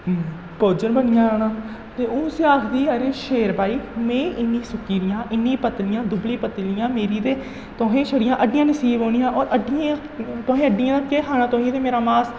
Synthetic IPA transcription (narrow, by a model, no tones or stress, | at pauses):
poːd͡ʒənbənɪjãːoːnãː | t̪eːʊːsiaːkʰd̪iːəɾeːʃeːɾbaːiːmɛ̃ːɪnːĩːsʊkiːɾɪjãːʔɪnːĩːpət̪lɪjãːd̪ʊbliːpət̪lɪjãːmeːɾiːt̪eː | t̪oːɦẽːʃʰəɽɪjãːʔəɖɪjãːnəsiːboːɽijãːʔɔːɾʔəɖɪjã | t̪oːɦẽːəɖɪjãːkeːɦaːñãːt̪oːɦĩːt̪eːmeːɾaːmaːs